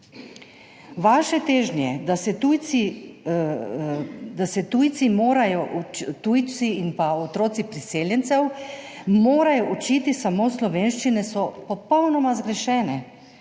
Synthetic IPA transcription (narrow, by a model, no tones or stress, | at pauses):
ʋaːʃɛt̪eːʒnjɛd̪asɛt̪uji | d̪asɛt̪uːjt̪simoːɾajɔʔt̪uːjt͡s̪iinpaot̪ɾoːt̪sipɾiseːljɛnsɛw | moːɾajɔʔut͡ʃit̪isamoːslɔʋeːnʃt͡ʃinɛsɔpɔpɔwnɔmazɡɾɛʃɛːnɛ